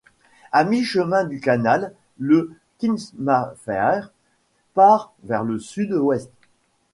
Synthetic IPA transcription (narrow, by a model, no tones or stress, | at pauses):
amiʃəmɛ̃d̪ykanalː | ə | kʲinsmafɛʁ | paʁvɛʁləsyd̪wɛst̪